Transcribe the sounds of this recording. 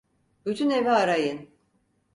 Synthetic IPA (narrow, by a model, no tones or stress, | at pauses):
b̥yt̪ʰyne̞vɛaɾajɯn